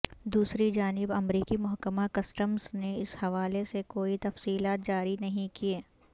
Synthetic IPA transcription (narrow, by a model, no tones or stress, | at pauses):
d̪uːsɾid͡ʒaːnɪbɐmɾiːkimʊɦkəmakɐsʈəmzneɪshɐʋaːlesekoːit̪ɐfsiːlaːt̪̚d͡ʒaːɾinɐɦĩkieː